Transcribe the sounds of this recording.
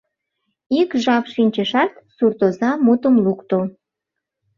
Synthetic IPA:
ikʒɑpʃinʲt͡ɕəʃɑt̪surt̪ozɑmut̪əmlukt̪o

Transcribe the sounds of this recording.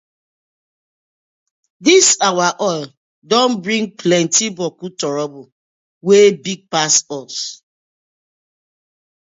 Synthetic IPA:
disawaʔɔl | dɔ̃nbɹĩŋ̚pʰlɛ̃ntibɔkutɔɹɔbu | webiɡ̚pasɔs

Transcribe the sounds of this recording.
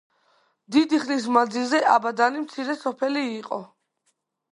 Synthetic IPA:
d̪id̪iχlis̬mand̪zilˠzɛʔabad̪animt̪sʰiɾɛsɔpʰɛliːqʼɔ̰

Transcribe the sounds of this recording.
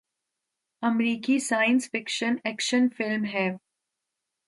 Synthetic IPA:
ɐmɾiːkisaːjə̃nsfɪkʃənɛːkʃənfɪlmɦɛː

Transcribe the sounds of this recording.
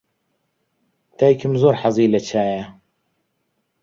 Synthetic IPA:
t̪ʰaːjkʰɨmzoːɾħɑzˤiːlɐt͡ʃʰaːjɐ

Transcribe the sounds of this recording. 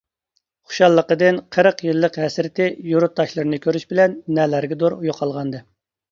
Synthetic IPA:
χʊ̥ʃɑlˠːəqəd̪ɨnqʰəɾəqjɨlˠːəqɦɛsɾɪt̪ʰɪjuɾut̪ːɑʃlˠɨɾɨnɨkʲʰøɾyʃbɪlɛnːɛlæɾɡʲɛd̪oɾujoqʰɑlˠʁɑnd̪ɨ

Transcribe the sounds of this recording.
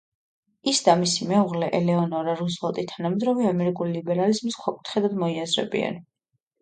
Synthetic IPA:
isd̪amisimɛuʁlɛʔɛlɛɔnɔɾaɾuzvalˠt̪ʼit̪ʰanamɛd̪ɾɔviamɛɾikʼulilibɛɾalizmisχʰwakʼu̥t̪ʰχɛd̪ad̪mɔiazɾɛ̰bḭɛ̰n

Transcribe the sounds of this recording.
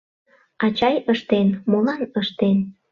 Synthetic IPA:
ɑt͡ɕɑjəʃt̪enmolɑnəʃt̪en

